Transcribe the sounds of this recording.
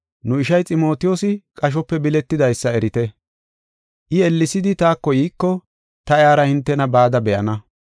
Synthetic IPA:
nʊɪʃɐjt͡sʼɪmo̞ːt̪ɪjoːsɪkʼɐʃ̬ɔpːɛbɪlɛt̪ːɪd̪ɐjsːɐɛɾɪt̪ɛ | ʔɪɛlːɪsɪd̪ɪt̪aːkːɔjiːkːɔ | t̪ɐjaːɾɐhɪnt̪ːɛnɐbaːd̪ɐbɛʔɐnɐ

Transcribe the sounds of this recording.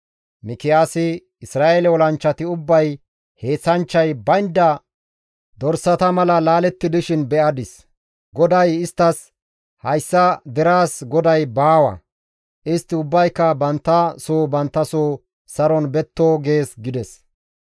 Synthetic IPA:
mɪkɪjaːsɪ | ɪsɾaːʔelɛwɔlɐnt͡ʃːɐt̪ɪʊbːɐj | he̞ːt͡sːɐnt͡ʃːɐjbɐjnd̪ɐ | d̪ɔɾsɐt̪ɐmɐlɐlaːlɛt̪ːɪd̪ɪʃɪnbɛʔɐd̪ɪs | ɡɔd̪ɐjɪst̪ːɐs | hɐjsːɐd̪ɛɾaːsɡɔd̪ɐjbaːwɐ̰ | ʔɪst̪ːɪʊbːɐjkːɐbɐnt̪ːɐsoːbɐnt̪ːɐsoː | sɐɾɔnbɛt̪ːoːɡe̞ːsɡɪd̪ɛs

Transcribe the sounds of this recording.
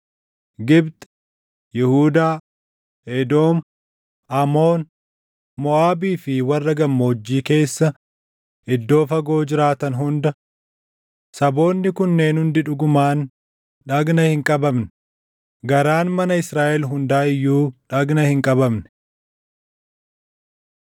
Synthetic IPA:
ɡɪbt̪ | jɪhuːd̪aː | ed̪o̞ːm | ʔɐmo̞ːn | mɔaːbiːfɪwɐrːɐɡɐmːoːd͡ʒːiːke̞ːsːɐ | ʔɪd̪ːo̞ːfɐɡo̞ːd͡ʒɪɾaːt̪ɐnɦʊnd̪ɐ | sɐbo̞ːnːɪkʊnːe̞ːnhʊnd̪ɪᶑʊɡʊmaːn | ᶑɐɡnɐhɪŋkʼɐbɐmnɛ̥ | ɡɐɾaːnmɐnɐɪsɾaːʔɛlɦʊnd̪aːɪjːuːᶑɐɡnɐhɪŋkʼɐbɐmnɛ̥

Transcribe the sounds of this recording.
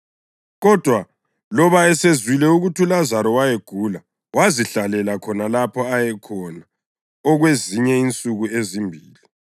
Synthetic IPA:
ɣɔd̥ʱwa | lɔβaɛsezwilɛuɣutʰulazaɾɔwajeɡ̥ʱula | waziɬalɛlakʰɔnalapʰɔajɛkʰɔna | ɔɣweziɲɛint͡sʼuɣuezimbʱiːli

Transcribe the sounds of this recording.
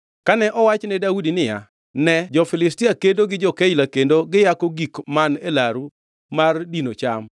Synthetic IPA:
kanɛʔɔwat͡ʃnɛdaudinɪja̰ | nɛd͡ʒɔfɪlɪstɪakendoɡɪd͡ʒɔkeilakendoɡɪjakoɡikmanelaɾu | mardinot͡ʃam

